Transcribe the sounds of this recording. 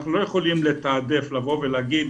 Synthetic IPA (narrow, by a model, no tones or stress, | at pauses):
χnulo̞je̞χo̞limle̞t̪aːd̪eflavo̞velaːɡid